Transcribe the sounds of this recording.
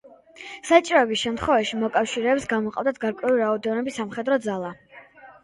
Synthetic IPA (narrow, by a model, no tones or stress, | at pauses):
sat͡ʃʼiɾɔɛbisʃɛmt̪ʰχwɛvaʃimɔkʼafʃiɾɛːpsɡamɔqʼa̰vd̪at̪̚ʰɡaɾkʼwɛuliɾaɔd̪ɛnɔbisːamχɛd̪ɾɔd̪zalˠa